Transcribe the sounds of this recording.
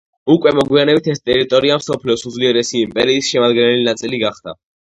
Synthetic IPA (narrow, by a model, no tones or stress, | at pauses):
ukʼwɛmɔɡwianɛbit̪ʰɛst̪ʼɛɾit̪ʼɔɾiamsɔpʰliɔsud̪zvliɛɾɛsiːmpʼɛɾiːsʃɛmad̪ɡɛnɛlinat̪sʼiliɡaχd̪̥a̰